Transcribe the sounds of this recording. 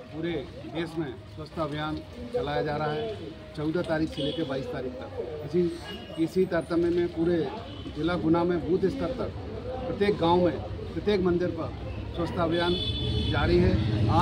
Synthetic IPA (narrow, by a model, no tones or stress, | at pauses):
puːɾe | d̪eːsmẽ | swəst̪ʰəbʱjaːn | t͡ʃɐlaːjad͡ʒaːɾəaɦɛ | t͡ʃɐʊd̪at̪aːɾiːkʰseleːk̪ebaːiːst̪aːɾiːk̚ʰt̪əɪsi | ɪsit̪əɾt̪əmemẽpuːɾe | d͡ʒɪlaɡʊnamẽbʱuːt̪ɪst̪əɾt̪ək | pɾət̪jeːk̚ɡãːumẽpɾət̪jeːkmə̃nd̪ɪɾpɐɾ | swəst̪ʰəəbʱjaːnd͡ʒaːɾəɦiɦɛaː